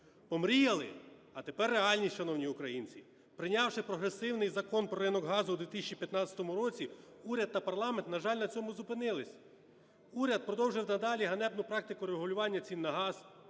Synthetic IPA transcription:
pɔmɾʲijɐlˠɪ̰ɐt̪epɛrːeɑlʲnʲit͡ʃɐnɔwnʲiʊkɾɐjinʲt͡sʲi | pɾɪnʲɑwʃɪpɾɔɦɾesɪwnɪjzɐkɔnpɾɔɾɪnɔɡɦɑzʊːd̪ʋʲit̪ɪisʲt͡ʃʲipʲjɐt̪nɑt͡sʲɐ̥t̪ɔmʊɾɔt͡sʲiuɾʲɐd̪̚t̪ːɐpɐrlˠɑment̪nɐʒɑlʲnɐt͡sʲɔmʊzʊpɪnɪlˠɪsʲ | uɾʲɐd̪̚pɾɔd̪ɔwʒɪwnɐd̪ɑlʲiɦɐnɛbnʊpɾɑk̚t̪ɪkʊɾeɦʊlʲʊʋɑnʲːɐt͡sʲinːɐɦɑz̥

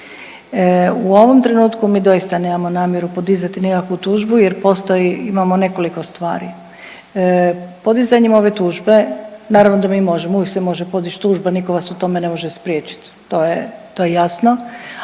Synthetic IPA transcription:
uo̞ʋo̞mt̪ɾe̞nuːt̪kumiːd̪o̞jist̪ane̞ːmamo̞naːmjeɾupo̞d̪izat̪inikakʋut̪uːʒbujeɾpo̞st̪ojiimamo̞ne̞ko̞liko̞st̪ʋa̰ːɾḭ | po̞d̪izaɲimo̞ʋe̞t̪uːʒbe̞naːɾaʋno̞d̪amiːmo̞ʒemouʋiksemo̞ʒepo̞d̪it͡ʃt̪uːʒbaniko̞ʋasut̪o̞me̞ne̞mo̞ʒespɾʲjeːt͡ʃi̥t̪ːojet̪ojejasno̞

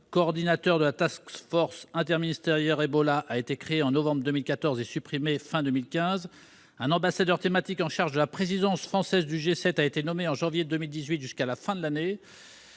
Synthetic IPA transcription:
kɔːʁd̪inat̪œʁd̪əlat̪askfɔʁsɛ̃t̪ɛʁminist̪eʁjɛʁebɔlaʔaet̪ekχeeɑ̃nɔvɑ̃bʁd̪əmilkʲat̪ɔʁzesypχimefɛ̃d̪ømilkʲɛ̃z | ɛ̃nɑ̃basad̪œʁt̪emat̪ikɑ̃ʃaʁʒd̪əlapχezid̪ɑ̃sfχɑ̃sɛzd̪yʒesɛt̪aet̪enɔmeɑ̃ʒɑ̃vjed̪ømild̪izɥit̪ʒyskalafɛ̃d̪əlane

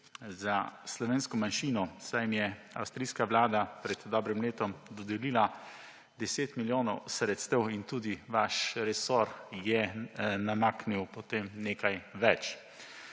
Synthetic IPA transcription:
zaslɔʋeːnskɔmanʃiːnɔsajmjɛ | a̰wst̪ɾiskaʋlaːd̪apɾɛd̪d̪ɔbɾimleːt̪ɔmd̪ɔd̪ɛliːla | d̪ɛseːt̪miljoːnɔwsɾɛt̪st̪ɛwint̪uːd̪iʋaʃɾɛsoɾjɛnamaːkniwpɔt̪emneːkajʋɛt͡ʃ

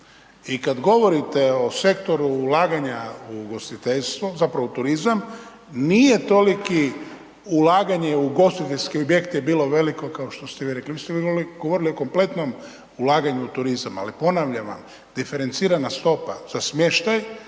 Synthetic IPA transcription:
ikad̪ɡo̞ʋo̞ɾit̪eo̞se̞kt̪o̞ɾuːlaːɡaɲauɡo̞st̪it̪eʎst̪ʋozapɾaʋut̪uɾizam | nijet̪o̞liki | ulaːɡaɲeuɡo̞st̪it̪eʎʲskiobje̞kt̪jebiːlˠo̞ʋe̞liko̞kaoʃt̪o̞st̪eʋiɾekliʋiːst̪eʋɡoʋo̞ɾilio̞ko̞mple̞t̪no̞m | ulaːɡaɲuut̪uɾizama̰lipo̞naʋʎaʋa̰m | d̪̥ife̞ɾe̞nt̪siːɾanast̪o̞paz̥asmje̞ʃt̪aj

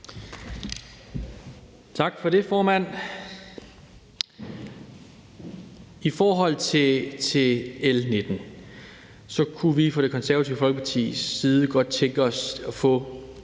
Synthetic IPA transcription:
t͡sʰɑ̈ɡ̥fɒɾe̝fɒːmæn̰ | ifɒːɦɒ̽l̰t͡sʰe̝t͡sʰe̝elned̥n̩ | sɒ̽kʰuʋifɒ̽ɾ̥e̝kʰɒ̽nsæɐɐt͡sʰiʊ̰fɒlɡ̥ə̥pʰɑ̈t͡sʰḭːiːðˠəɡ̥ɒ̽d̥̚t͡sʰeŋɡ̥əɒ̽sɒ̽fɔ̽

